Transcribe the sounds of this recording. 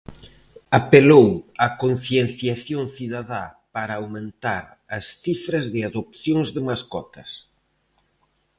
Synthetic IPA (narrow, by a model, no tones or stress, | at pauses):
apelowakon̟θjenθjaθjoŋθiðaðapaɾɐːwmẽnt̪aɾ | ɐsθifɾɐzðɪaðop̚θjoŋzðɪmaskɔt̪ɐs